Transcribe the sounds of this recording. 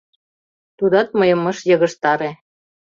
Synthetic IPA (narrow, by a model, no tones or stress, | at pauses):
t̪ud̪ɑt̪̚mɤjɤ̆mɤ̆ʃjɤ̆ɣɤ̆ʃt̪ɑɾe